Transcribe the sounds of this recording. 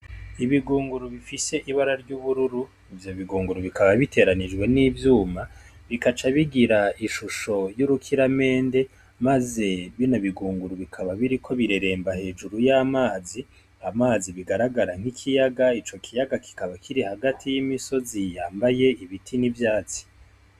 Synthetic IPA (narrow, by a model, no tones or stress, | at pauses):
iβiɡuːŋɡuɾuβifise̞ʔiβaɾaɾɟuːβuɾuɾu | ivjo̞βiɡuːŋɡuɾuβikʰaβaβitʰe̞ːɾanid͡ʒwe̞nivjuːma | βikat͡ʃaβiɡiɾaiʃuʃo̞juɾukʰiɾame̞ːnde̞ | maze̞βinaβiɡuːŋɡuɾuβikʰaβaβiɾikʰo̞βiɾeɾe̞ːmbahe̞ːd͡ʒuɾujaːmaːzi | amaːziβiɡaɾaɡaɾaŋ̥ikʰijaɡait͡ʃo̞kʰijaɡaki̥kaβakʰiɾihaɡatʰijimiso̞zijaːmbaje̞iβitʰinivjaːt͡si̥